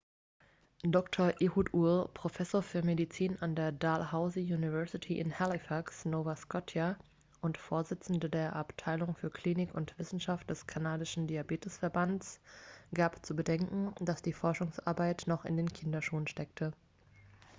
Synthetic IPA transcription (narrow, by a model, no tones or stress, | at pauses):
dɔktʰoɐʔeːhuːtulpʁ̥ofɛsoːɐfyːɐmedit͡siːnandeːɐdaːlhaʊzijuːnivɛɐsɪtʰiʔɪ̰nhalɪfaksnoːvaskɔtʰja | ʔʊntfoːɐzɪt͡sn̩dədeːɐʔaptʰaɪlʊŋfyːɐkʰl̥iːnɪkʰʊntv̥ɪsn̩ʃaft̚d̥ɛskʰanaːdɪʃn̩diabeːtɪsfɛɐbansɡ̥aːpt͡subədɛŋkŋ̩d̥asd̥iːfɔɐʃʊŋsʔa̰ɐbaɪtnɔχɪ̰ndeːnkʰɪndɐʃuːlənʃtɛk̚tʰə